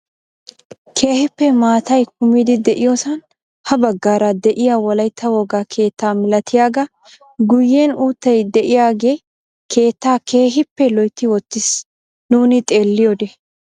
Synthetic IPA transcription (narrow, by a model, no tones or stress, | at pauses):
kʰe̞ːhɪpːɛmaːt̪ɐjkʊmiːd̪ɪd̪ɛʔɪjoːsɐn | hɐbɐɡːaːɾɐd̪ɛʔɪjawɔlɐjt̪ʰːɐwoːɡakʰe̞ːt̪ːaːmɪlɐt̪ʰɪjaːɡɐ | ɡʊjːeːnuːt̪ːɐjd̪ɛʔɪjaːɡe̞ː | kʰe̞ːt̪ːaːke̞ːɦɪpːɛlɔjt̪ːɪwɔt̪ːɪs | nuːnɪt̪ʼe̞ːlːɪjod̪ɛ